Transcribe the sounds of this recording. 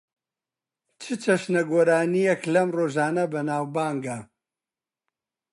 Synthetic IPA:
t͡ʃʰɨt͡ʃʰɐʃnɐɡoːɾaːnijeklɐmroːʒaːnɐbɐnaːwbaːŋɡa

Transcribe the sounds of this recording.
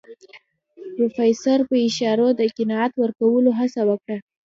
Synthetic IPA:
pɾofɑjsaɾpəɪʃɑɾod̪əqɪnɑat̪wəɾkawəloɦasawəkɽa

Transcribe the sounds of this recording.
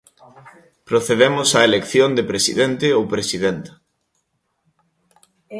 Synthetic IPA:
pɾoθeðemʊsaelekθjond̪epɾesḭðent̪ɪowpɾesiðent̪ɐ̥

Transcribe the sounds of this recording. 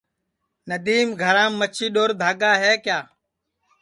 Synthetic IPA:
nəd̪iːmɡʱəɾãːmːət͡ʃʰiːɗoːɾd̪ʱaːɡaːɦeːkjaː

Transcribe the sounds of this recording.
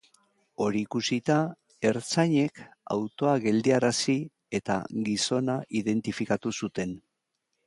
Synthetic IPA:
o̞ɾiːkusit̪a | e̞ɾt͡saɲe̞ka̰wt̪o̞aɣe̞ld̪iaɾasi | e̞t̪a̰ɡiso̞naʔiðe̞nt̪ifikat̪usut̪e̞n

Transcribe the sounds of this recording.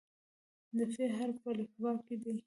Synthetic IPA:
d̪əfeɦaɾpəlɪkwɑked̪i

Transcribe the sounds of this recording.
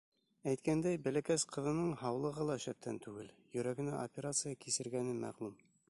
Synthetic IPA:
æjt̪kænd̪æjbælækæsqɤ̆ðɤ̆nɤɴhɑwlˠɤ̆ʁɤlˠɑʃæp̚t̪ʰænt̪ʉɡɘl | jɵ̆ɾæɡɘ̆næʔopʲeɾat̪sɨjakisɘ̆ɾɡænɘmæ̰ʁlˠum

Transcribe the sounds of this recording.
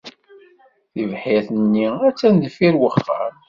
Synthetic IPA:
θivħiθənːiæt͡sːænðəfiɾwəχːə̰ɾ

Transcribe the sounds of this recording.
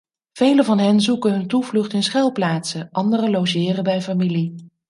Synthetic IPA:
v̥ejləvɑnɦɛnzukənɦɵntuvlɵχtɪnsχɛlˠplaːtsəʔɑndərəlowʒɪːrəbɛjfamili

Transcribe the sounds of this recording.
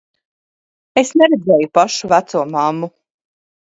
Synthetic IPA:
esneɾed̪zɛːjupaʃuvæt̪suɔmamːu

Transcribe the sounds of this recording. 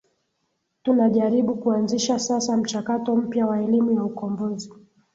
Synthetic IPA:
tunaʄaɾiɓukuanziʃasasam̩t͡ʃakatɔm̩pjawaɛlimujaukɔmbɔzi

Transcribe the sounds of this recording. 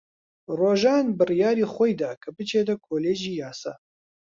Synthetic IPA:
roːʒaːnbɨrijaːɾiːxʷojd̪aːkʰɐbɨt͡ʃʰeːt̪ɐkʰoːleːʒiːjaːsa̰ː

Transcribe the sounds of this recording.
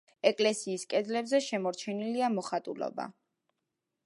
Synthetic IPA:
ɛkʼlɛsiːskʼɛd̪zlɛbzɛʃɛmɔɾt͡ʃʰɛniliamɔχat̪ʼulɔ̰ba̰

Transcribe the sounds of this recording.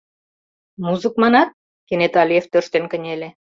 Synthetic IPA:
muzɨkmɑnɑt̪̚ | kenet̪ɑlʲijeft̪øʃt̪enkə̆nʲelʲe

